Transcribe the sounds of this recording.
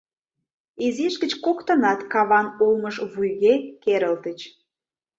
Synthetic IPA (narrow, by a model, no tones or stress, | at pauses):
ezeʃɡə̆t͡ɕkokt̪ə̆nɑt̪kɑβɑnulməʃβujɣekeɾə̆lt̪ət͡ɕ